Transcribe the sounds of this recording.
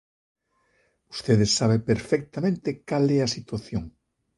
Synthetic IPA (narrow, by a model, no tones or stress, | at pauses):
ust̪eðesːaβ̞epeɾfɛk̚t̪amẽnt̪ɪkalɛɐsit̪waθjoŋ